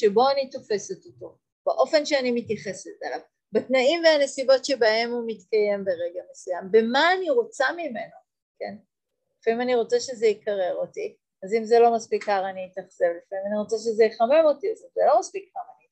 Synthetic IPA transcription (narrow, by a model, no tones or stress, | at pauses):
ʃebo̞anito̞fe̞setoto̞ | b̥eʔo̞fe̞nʃeanimitjaχe̞setala̰v | betnaimveane̞sibo̞tʃebahe̞mumitkaje̞mbeʁeɡamesujambe̞maːniʁo̞t͡samime̞no | kḛn | lefaimaniʁo̞t͡saʃezeikaʁe̞ʁo̞ti | azimzelo̞maspikːaʁaniːtaχse̞vlefaimaniʁo̞t͡saʃ̬ezejeχame̞mo̞tiazimzelo̞maspikːaʁani